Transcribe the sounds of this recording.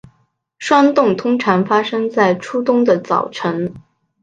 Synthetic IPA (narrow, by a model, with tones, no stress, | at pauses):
ʂwa˥nt̪ʊ˥˩ŋt̪ʰʊ˥ŋʈ͡ʂʰɑ˧˥ŋfa˥ʂɤ˥ŋt͡sa˥˩ɪʈ͡ʂʰu˥t̪ʊ˥ŋd̪ə˨t͡sɑ˨˩ʊʈ͡ʂʰɤ˧˥ŋ